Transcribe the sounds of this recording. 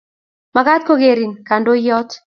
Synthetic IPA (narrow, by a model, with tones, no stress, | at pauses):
ma˨ɡa˦t̪̚ko˦ɡe˨ɾi˨nka˨ndo˦jɔ˦t̪